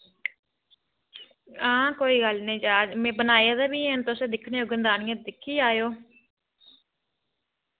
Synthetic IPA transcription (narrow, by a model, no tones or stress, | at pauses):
ãːkoːiːɡəlnĩːd͡ʒaːmẽːbənaːjaːd̪ɛːbiːẽnt̪ʊsẽːd̪ɪkʰneːoːɡənd̪aːnːẽd̪ɪkʰːiːaːjoː